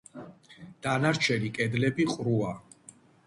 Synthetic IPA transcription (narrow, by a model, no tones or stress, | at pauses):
d̪̥anaɾt͡ʃʰɛnikʼɛd̪lɛbiqʼɾua